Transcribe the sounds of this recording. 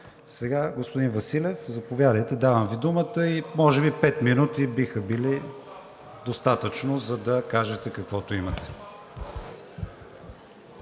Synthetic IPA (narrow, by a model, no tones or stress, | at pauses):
sɛɡaɡospod̪invəsilʲɛfzɐpovʲjad̪əjt̪ɛd̪avəmvid̪umət̪əimɔʒɛbipɛt̪minut̪ibixəbili | d̪ost̪at̪ət͡ʃnozɐd̪ɐkaʒɛt̪ɛkɐkvɔt̪oimɐt̪ɛ̥